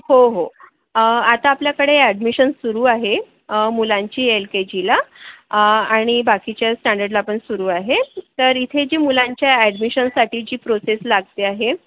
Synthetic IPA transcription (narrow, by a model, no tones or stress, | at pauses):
hoɦo | at̪aːpljakəɽeɛɽmiɕənsuɾuːaɦe | mulãɲt͡ɕiːelked͡ʑila | aɽ̃ibakit͡ɕjasʈaɳɖəɾɖlaːpəɳsuɾuːaɦet̪əɾit̪ʰed͡ʑiːmulaɲt͡ɕjaɛɖmiɕənsaʈiːd͡ʑiːpɾoseslaɡt̪eaɦe